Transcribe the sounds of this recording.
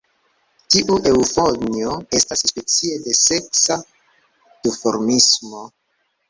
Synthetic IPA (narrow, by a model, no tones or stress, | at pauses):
tiʔuʔe̞ufo̞nio̞e̞stasspe̞t͡sie̞de̞se̞ksa | d̥ufo̞ɾmismo̞